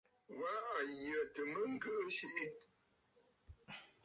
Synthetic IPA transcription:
wa˨˦a˨jə˨tə˨mə˦ŋ̩˦ɡə˦ʔə˦ʃi˦mi˦

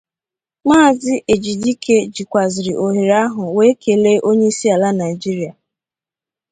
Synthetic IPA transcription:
maː˦˨zɪ˦ʔe˨d͡ʒi˨di˦kʰe˦d͡ʒi˨kʷa˨zɪ˨ɾi˨ʔo˨ɦi˨ɾa˦ɦʊ˨we˦kʰe˨˦le˦ʔo˦ɲe˦i˦si˦a˨la˦na˨ɪ˨d͡ʒi˦ɾi˨˦a˨

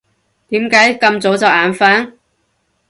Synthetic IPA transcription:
t̪iː˨˥mkaː˨˥jkɐ˧mt͡so˨˥wt͡sɐ˨wʔaː˨nfaː˨˥n

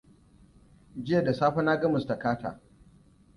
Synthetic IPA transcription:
d͡ʒɪ˦ja˨da˨saː˦ɸɐ˦naː˦ɡɐ˦mʊ˨sta˨kaː˦ta̰ː˨

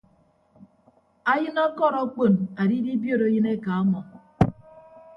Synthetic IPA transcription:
a˦jɨ˦nɔ˦kɔ˦˨ɾɔ˦k͡po˦˨na˨di˦di˦bjo˦ɾo˨˦jɨ˦ne˦ka˨ɔ˦mɔ˨

